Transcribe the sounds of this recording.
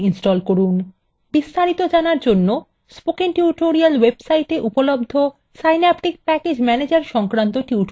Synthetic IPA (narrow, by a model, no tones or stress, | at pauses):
insʈɔlkoɾun | bist̪aɾit̪od͡ʑanaɾd͡ʑonːo | spokiŋʈiuʈoɾialwebsajʈeʔupolobd̪ʱo | sajnapʈik̚pɛked͡ʑmɛned͡ʑaɾʃɔŋkɾant̪oʈiuʈ